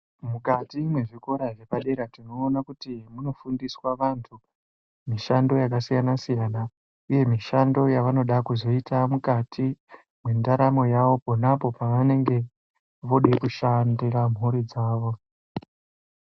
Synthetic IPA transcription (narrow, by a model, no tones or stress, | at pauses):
mukatimwe̞ʐiko̞ɾaʐe̞paɗe̞ɾatino̞ːnakutimuno̞fundiswaʋantʰu | miʃando̞jakasijanasijana | uje̞miʃando̞jaʋano̞ɗakuzo̞itamukatʰi | mwendaɾamo̞jaʋo̞po̞napo̞paane̞ŋɡe̞ | ʋo̞ɗekuʃandiram̤ʱuɾid͡zaːʋo̞